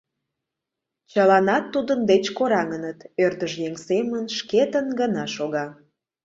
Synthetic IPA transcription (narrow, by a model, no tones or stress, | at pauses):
t͡ɕəlɑnɑt̪ːud̪ənd̪et͡ɕkoɾɑŋənət̪ørd̪əʒjeŋsemənʃket̪ənɡənɑʃoɣɑ